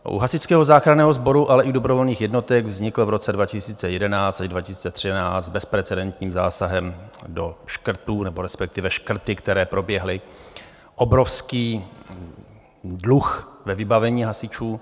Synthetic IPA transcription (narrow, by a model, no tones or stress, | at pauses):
ʔṵɦasɪt͡skɛːɦo̞zaːxɾanɛːɦozbo̞ɾuʔalɛʔɪdo̞bɾo̞vo̞lɲiːxjɛdno̞t̪ɛɡvzɲɪkl̩vɾo̞t͡sɛdvacɪsiːt͡sɛjɛdɛnaːt͡st̪aʒdvacɪsiːt͡sɛt̪r̝̥ɪnaːbɛspɾɛt͡sɛdɛnt̪ɲiːmzaːsaɦɛmdo̞ʃkr̩t̪uːnɛboɾɛspɛk̚t̪ɪvɛʃkr̩t̪ɪkt̪ɛɾɛːpɾo̞bjɛɦlɪ | ʔobɾo̞fskiː | dluxvɛvɪbavɛɲiːɦasɪt͡ʃuː